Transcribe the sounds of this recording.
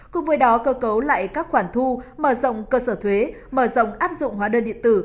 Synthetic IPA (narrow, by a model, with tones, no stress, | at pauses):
kʊ̰˧˨ŋ͡mvəː˨˦jɗɔ˨˦kəː˧kə˨˦wla̰ː˧˨jkaː˦˥k̚xwaː˧˩nt̪ʰu˧məː˧˩zə̰˧˨wŋ͡mkəː˧səː˧˩t̪ʰwe˨˦ | məː˧˩zə̰˧˨wŋ͡mʔaː˦˥p̚zʊ̰˧˨ŋ͡mɦwaː˨˦ɗəː˧nɗḭ˧˨ənt̪ɨ˧˩